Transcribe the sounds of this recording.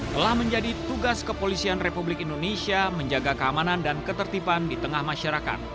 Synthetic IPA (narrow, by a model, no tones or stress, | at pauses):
t̪əlahməɲd͡ʒadit̪uɡaskəpolisianrepublɪkindonesiaməɲd͡ʒaɡakəamanandankət̪ərt̪ipandit̪əŋahmaʃaɾaka̰t̪̚